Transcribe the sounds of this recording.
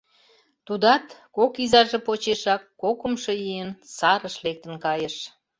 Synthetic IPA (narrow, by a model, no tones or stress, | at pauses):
t̪ud̪ɑt̪kokizɑʒepot͡ɕeʃɑkːokə̆mʃojijənsɑɾəʃlek̚t̪ə̆nkɑjəʃ